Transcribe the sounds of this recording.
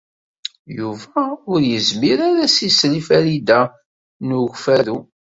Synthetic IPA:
juvæʊɾjəzmiɾaɾæsislifælid̪æ | nuʝfæðu

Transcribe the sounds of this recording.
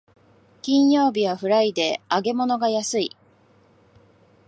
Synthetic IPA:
kʲĩɰ̃jo̞ːbʲiβaɸɯ̟ɾaid̪e̞aɡe̞mo̞no̞ɡajasɨi

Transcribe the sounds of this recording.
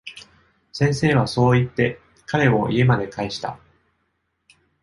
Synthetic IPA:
sẽ̞ɰ̃se̞ːβ̞aso̞ːit̪ːe̞ | kaɾe̞o̞ʔie̞mad̪e̞kaeɕi̥t̪a̰

